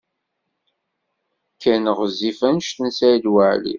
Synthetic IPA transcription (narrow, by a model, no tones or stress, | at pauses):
kʰːænəʁzifænʃt̪nsæd̪wəʕlḭ